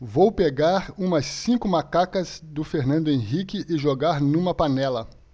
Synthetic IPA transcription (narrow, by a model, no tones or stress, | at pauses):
vowpeɡaɾũmɐsːĩkʊmakakɐzd̪ʊfeɾnɐ̃nd̪ʊẽɦikɪʔɪʒoɡaɾnũmɐpanɛlɐ